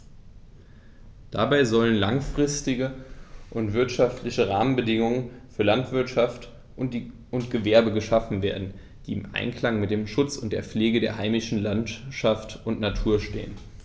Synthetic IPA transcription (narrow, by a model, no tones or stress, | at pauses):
d̥a̰baɪzɔlənlaŋfʁ̥ɪstɪɡəʔʊntv̥ɪɐtʃaftlɪçəʁaːmənbədɪŋʊŋənfyːɐlantv̥ɪɐtʃaft | ʊntɡ̥əvɛɐbəɡəʃafn̩veːɐdn̩ | d̥iːɪmʔa̰ɪnkl̥aŋmɪtd̥eːmʃʊt͡sʊnt̚d̥eːɐp͡fleːɡədeːɐɦaɪmɪʃn̩lantʃaftʊntnatʰuːɐʃtḛːən